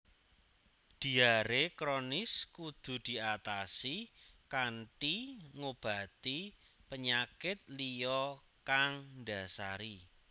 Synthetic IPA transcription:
d̪̥i̤aɾekɾonɪskud̪̥ṳd̪̥i̤at̪asikaɳʈiŋob̥a̤t̪i | pəɲakɪt̪̚lijɔ | kaŋɳɖa̤saɾi

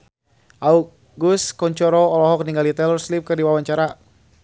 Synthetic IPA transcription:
ʔauk̚ | ɡuskɔɲt͡ʃɔɾɔːlɔɦɔk̚niŋɡalit̪ɛlɔrslip̚kɨrdiwawaɲt͡ʃaɾa

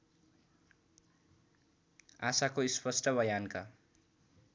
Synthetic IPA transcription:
asakoispʌsʈʌbʌjanka

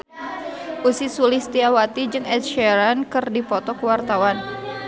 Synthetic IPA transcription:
ʔusisulɪst̪iawat̪id͡ʒɨŋɛt̪̚ʃɛɾankɨrdipɔt̪ɔkəwart̪awan

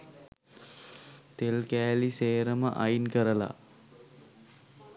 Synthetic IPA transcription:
t̪elkæːliseːɾəmə̰ʔajnkəɾəla̰

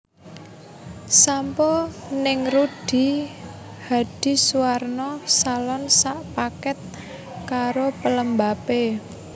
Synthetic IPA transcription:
sampɔnɪŋruɖ̥i̤ | had̥i̤suwarnɔsalɔnsaʔpakɛt̪̚ | kaɾopələmbape

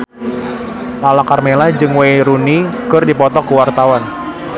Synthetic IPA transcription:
lalakarmelad͡ʒɨŋwejɾunikɨrdipɔt̪ɔkuwart̪awan

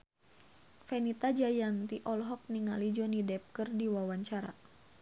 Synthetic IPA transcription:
fɛnit̪ad͡ʒajant̪iʔɔlɦɔk̚niŋalid͡ʒɔnidɛp̚kərdiwawaɲt͡ʃaɾa̰

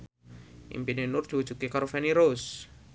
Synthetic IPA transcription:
ʔḭmpinenʊrd̪̥i̤wud̥ʒ̥ṳkekaɾofɛniɾos

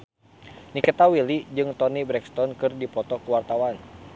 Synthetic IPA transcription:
nikət̪awilid͡ʒɨŋt̪ɔnibɾɛkst̪ɔnkɨrdipɔt̪ɔkuwart̪awan

